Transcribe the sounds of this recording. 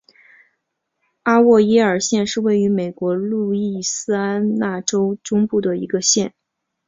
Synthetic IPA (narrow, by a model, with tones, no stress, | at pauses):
a˥wɔ˥˩i˥ə˞˨˩ɕjɛ˥˧nʂɻ̩˥˧we˥˩ɪy˧˥me˨˩ɪkwɔ˧˥lu˥˧i˥˩sɹ̩˥a˥nna˥˩ʈ͡ʂo˥ʊʈ͡ʂʊ˥ŋpu˥˩d̪ə˩ḭ˧˥ɡə˧ɕjɛ˥˩n